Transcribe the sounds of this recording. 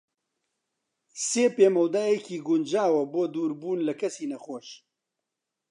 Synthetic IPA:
seːpeːmɐwd̪aːjɛkʰiːɡʊnd͡ʒaːwɐboːd̪uːɾbuːnlɐkʰɐsiːnɐxoːʃ

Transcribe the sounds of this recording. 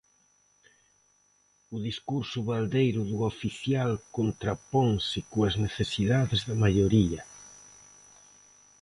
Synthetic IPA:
ʊðiskuɾsʊβald̪ejɾʊðuofiθjalkont̪ɾapɔŋsɪkoazneθesiðaðezðamaʎoɾiɐ

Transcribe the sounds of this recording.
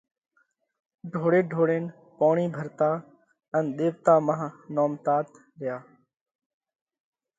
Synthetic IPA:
ɖʱoːɽeːɖʱoːɽeːn | poːɳiːbʱəɾt̪aː | ənɗ̪eːʋt̪aːmaːnoːmt̪aːt̪ | ɾɪjaː

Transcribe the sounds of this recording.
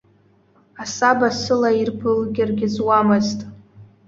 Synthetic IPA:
asabasɨlairbɨlɡʲɪrɡʲɪzwamɨztʼ

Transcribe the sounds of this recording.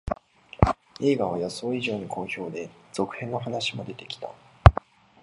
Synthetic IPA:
e̞ːɡaβ̞ajaso̞ːiʑo̞ːɲ̟ikʰo̞ːço̞ːd̪e̞z̥o̞kɯ̟̥hẽ̞nːo̞ɦanaɕimo̞d̪e̞t̪e̞̥kʲi̥t̪a

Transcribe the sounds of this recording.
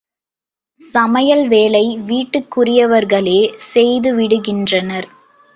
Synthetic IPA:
sɐmɐjɐlʋeːlɐɪʋiːʈːɯkːʊrɪjɐʋɐɾɣɐɭeːsɛjðɯʋɪɽɯɣɪndrɐnɐɾ

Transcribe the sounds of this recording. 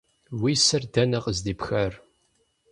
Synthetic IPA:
wisəɾd̪ænəʁzd̪ibxəɾ

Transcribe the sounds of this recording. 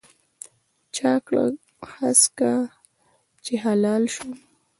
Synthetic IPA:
t͡ʃakɽa̰ | haska | t͡ʃeɦalɑlʃu

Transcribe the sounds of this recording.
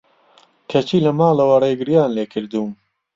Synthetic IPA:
kʰɐt͡ʃiːlɐmaːlɐwɐreːɡɪɾjaːnleːkʰɨɾd̪uːm

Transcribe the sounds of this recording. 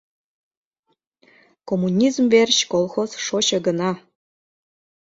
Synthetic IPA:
komunʲizmverɕkolˠxozʃoɕɤ̆ɡə̆nɑ

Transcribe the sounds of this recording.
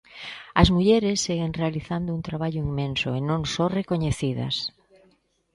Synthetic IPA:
ɐzmuʎɛɾesːeɣeŋrealiθand̪ʊunt̪ɾaβ̞aʎʊiŋmẽnsʊenõŋsorekoɲeθiðɐ̰s

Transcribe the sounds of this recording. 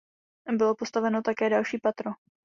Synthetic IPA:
bɪlo̞po̞st̪avɛno̞t̪akɛːdalʃiːpat̪ɾo

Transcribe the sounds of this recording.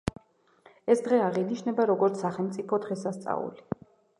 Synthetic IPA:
ɛsd̪ʁɛaʁiniʃnɛbaɾɔɡɔɾt̪ssaχɛlˠmt̪sʼipʰɔd̪ʁɛsast̪sʼa̰ṵli

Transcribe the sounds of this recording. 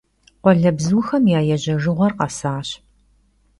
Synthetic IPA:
qʷɔɮɐbzɨwxɐmjaːjɛʑɐʒɨʁʷɐrqɐsaːɕ

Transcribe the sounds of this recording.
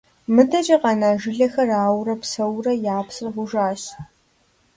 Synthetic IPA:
mɨdɐd͡ʒʼɐqɑnaːʒɪɮɐxɐraːwrɐpsɐwrɐjaːpsrɐʁʷʊʒaːɕ

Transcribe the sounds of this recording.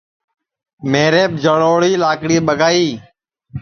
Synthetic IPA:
meːɾeːp̚d͡ʒʱəɽoːɽiːlaːkɽiːɓəɡʱaːiː

